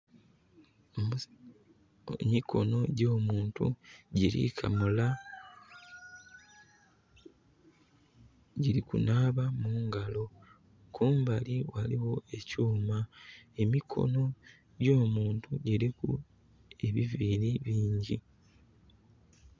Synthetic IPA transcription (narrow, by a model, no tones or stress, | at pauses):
mikʰo̞̰no̞ɟoːmuːntṵɟiɾḭkʰa̰mula | ɟiɾikṵnaːβamuːŋɡalo̞ | kʰuːmbaliwaliwo̞e̞cuːmae̞mikʰo̞̰no̞ | ɟo̞ːmuːntuɟiɾikṵ | e̞βiviliβiːɲɟi